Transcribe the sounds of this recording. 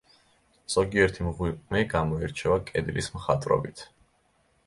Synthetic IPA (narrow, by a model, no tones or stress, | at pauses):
z̥ɔɡiɛɾt̪ʰimʁwipʼmɛɡamɔɛɾt͡ʃʰɛvakʼɛd̪lismχat̪ʼɾɔ̰bit̪ʰ